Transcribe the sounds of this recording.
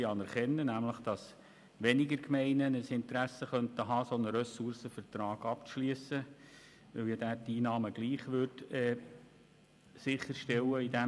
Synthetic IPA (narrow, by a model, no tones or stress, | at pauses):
iɑnɛɾχɛnːənæmləχd̥ɑs | ʋɛnɪɡəɾkmɛɪnənəsɪnt̪ɾæsəχœnt̪əɦɑːsonəɾɛsʊɾsəfərt̪ɾɑːɡ̥ɑpt͡sʃliəsə | ʋɪljɑd̪æːtːiːnɑːməɡliːχʋʏrtɛː | sɪχəɾʃtɛlːəidæ